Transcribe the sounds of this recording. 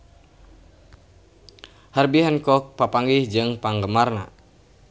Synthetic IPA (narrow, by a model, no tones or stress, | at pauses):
harbiɦankɔk̚papaŋɡihd͡ʒɨŋpaŋɡəmarna̰